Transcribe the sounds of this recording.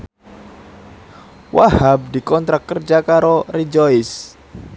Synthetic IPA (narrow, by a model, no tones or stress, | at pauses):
wahab̚dikɔnt̪ɾakkːərd͡ʒakaɾorid͡ʒɔɪs